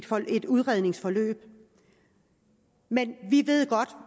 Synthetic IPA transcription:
e̝d̥uð̞ˠʁɛð̞ˠne̝ŋsfɒ̽lø̰ːb̥̚ | menʋiʋe̝ð̞̰ˠɡ̥ɒ̽d̥

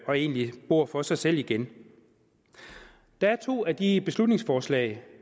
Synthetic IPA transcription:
ɒ̽e̝̰ːnlib̥o̝ɐ̰fɒ̽sɑ̈ɪsel̰iɡ̥en | d̥ɑ̈æɐt͡sʰo̝̰ːæd̥ib̥e̝slud̥̚ne̝ŋsfɒːslɛ̰ɪ

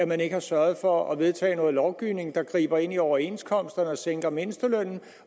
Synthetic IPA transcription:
æmæne̝ɡ̥əhɑ̈sɶɐð̞̩ˠfɒ̽ɒʋe̝ð̞ˠt͡sʰɛ̰ːnɔ̽ːð̩ˠlɒʊɡ̥iʊ̰ne̝ŋ̩d̥ɑ̈ɡ̥ʁḭːb̥ɐe̝n̰iɒʊɐe̝n̰skʰɒ̽m̰sd̥ɐnəɒ̽seŋ̰ɡ̥ɐme̝nəsd̥əløn̰n̩

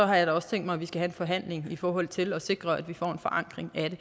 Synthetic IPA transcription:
ɒ̽ɦɑ̈jɑ̈ɪɾɑɒ̽sə̥t͡sʰeŋ̰d̥mɑɪʋisɡ̥æhæe̝nfɒ̽ɦæn̰le̝ŋifɒːɦɒ̽l̰t͡sʰe̝lɒse̝ɡ̥ʁɐæd̥ʋifɒ̰ːe̝nfɒ̽ʔɑ̈ŋ̰ɡ̥ʁeŋæd̥e̝

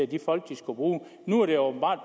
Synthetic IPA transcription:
æd̥ifɒ̽l̰ɡ̥̚d̥isɡ̥ub̥ʁuː | nuæɐɾ̥e̝ob̥m̩b̥ɑ̰̈ːd̥̚b

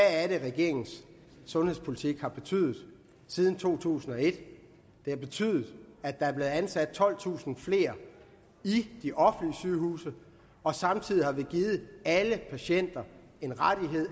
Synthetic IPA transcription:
ææɾeʁɛɡ̥e̝ɐ̰e̝ŋn̩sː | ɔ̽nhḛspʰo̝lit͡sʰiɡ̥hɑ̈b̥e̝t͡sʰy̰ːðˠð̩ˠ | siːð̞ˠn̩t͡sʰo̝̰ːt͡sʰṵːsn̩ɒ̽e̝d̥ | d̥e̝hɑ̈b̥e̝t͡sʰy̰ːðˠð̩ˠæd̥ɑ̈æɐble̝ːð̩ˠænsæd̥̚t͡sʰɒ̽l̰t͡sʰṵːsn̩fle̝̰ːɐ | id̥iʔɒ̽fn̩liəsyːɦṵːsə | ɒ̽sɑ̈mt͡sʰið̞̰ˠihɑ̈ʋe̝ɡ̥iːð̞̩ˠæləpʰæɕen̰d̥ɐ | e̝nʁaɾ̥iɦe̝ð̰ˠ

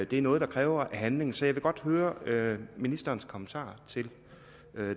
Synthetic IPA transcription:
d̥e̝æɐnɔ̽ːð̞̩ˠdɑ̈kʰʁɛːʊɐʔæɦænle̝ŋ̩sɒ̽jɑɪʋe̝ɡ̥ɒ̽d̥høːɐøminisd̥ɐːnskʰɒ̽mənt͡sʰɑ̰̈ːt͡sʰe̝l

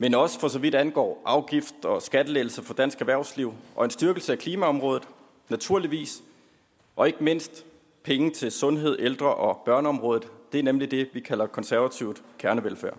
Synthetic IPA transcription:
menɒ̽sfɒ̽sɒ̽ʋid̥ænɡ̥ɒ̰ːʔɑ̈ʊɡ̥ifd̥ɒ̽sɡ̥æd̥əleɪl̩səfɒ̽d̥æn̰sɡ̥æʋæɐʊsliʊ̰ʔɒ̽e̝nsd̥yɐɡ̥l̩səækʰliːmæɒ̽mʁɔ̽ːðˠð̩ˠ | næt͡sʰuɐ̰liʋḭːs | ʔɒ̽e̝ɡ̥əme̝n̰sd̥ | pʰeŋət͡sʰe̝lsɔ̽nɦe̝ð̞̰ˠʔeld̥ʁɐʔɒ̽b̥ɶɐnəɒ̽mʁɔ̽ːðˠð̩ˠd̥e̝æɐnemlid̥e̝ʋikʰæl̰ɐkʰɒ̽nsæɐʋæt͡sʰiʊ̰d̥kʰæɐnəʋelfæ̰ɐ̰

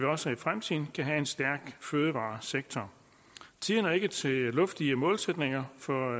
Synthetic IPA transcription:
ʋiɒ̽səifʁamt͡sʰḭð̰ːn̩kʰæɦæe̝nsd̥æɐɡ̥føːð̞ˠəʋɑ̰̈ːseɡ̥̚t͡sʰɒ | t͡sʰiːðˠnæe̝ɡ̥ət͡sʰe̝lɔ̽fd̥iəmɔ̽ːlsed̥ne̝ŋɐfɒ

